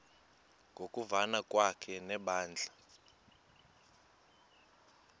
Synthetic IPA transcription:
ŋɡʱokʼuvanakʼwakʰɛnɛɓaːnd͡ɮʱa

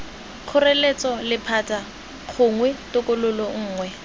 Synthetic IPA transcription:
q͡χʰʊrelet͡sʼɔlɪpʰatʼa | q͡χʰʊŋwɛtʊkʼʊlʊlɔŋ̩ːŋwɛ

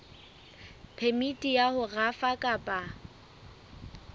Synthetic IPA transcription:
pʰemitʼijahʊɣafakʼapʼa

